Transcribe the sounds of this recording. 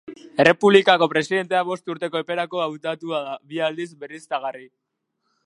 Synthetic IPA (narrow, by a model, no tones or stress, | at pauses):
e̞re̞puβlikako̞pɾe̞siðe̞nt̪e̞aβo̞st̪uɾt̪e̞ko̞epe̞ɾako̞awt̪at̪uaðaβiald̪izbe̞rist̪aɣari